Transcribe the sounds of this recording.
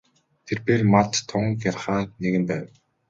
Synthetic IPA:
t̪ʰerpermat̪t̪ʰːʊŋkjarχaːneɣɘ̆npæːw

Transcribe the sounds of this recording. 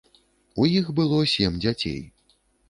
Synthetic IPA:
ujixbɨlˠɔsʲɛmd͡zʲat͡sʲḛj

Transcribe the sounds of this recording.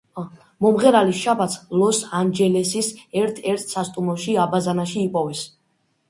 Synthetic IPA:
mɔmʁɛɾaliʃabat̪sʰlɔsand͡ʒɛlɛsisɛɾt̪ʰɛɾt̪ʰsast̪ʼumɔʃiabazanaʃiːpʼɔvɛs

